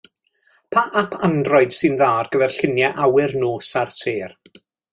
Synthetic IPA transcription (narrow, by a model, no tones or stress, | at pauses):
pʰaʔapʰandrɔɨd̥sɨnðaːrɡ̥əvɛrɬɪnjɛʔawɪrnoːsartʰeːr